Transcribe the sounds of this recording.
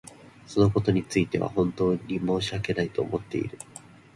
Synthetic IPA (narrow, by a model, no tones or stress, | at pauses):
so̞no̞ko̞t̪o̞ɲ̟it͡sɨit̪e̞β̞a̰hõ̞nt̪o̞ːɲimo̞ːɕiake̞nait̪o̞̰ːmʔo̞t̪ːe̞̰ḭɾɯ̟